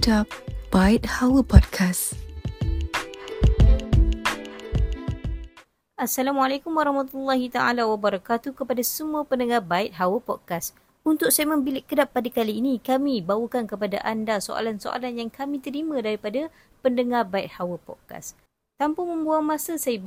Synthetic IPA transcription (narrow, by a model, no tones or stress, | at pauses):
tab̥ait̪̚hawəpɔd̚kʰas | ʔasalamalakʊmwaɾˤɑhmat̪ulːaɦit̪aa̰lawabəɾɑkat̪ukəpadasəmũapəndəŋabaɪt̪̚ɦawəpɔd̚kas | unt̪ʊk̚sajəmə̃mbilɪʔkːədapːadakaliːnikamibawəkankəpada̰ʔandaso̰a̰lanso̰ʔa̰lanjaŋkamĩt̪əɾimãdaɾipada | pəndəŋarbaɪt̪̚hawəpɔ̰d̚ka̰s | t̪ampʊŋmə̃mbuaŋmãsasajə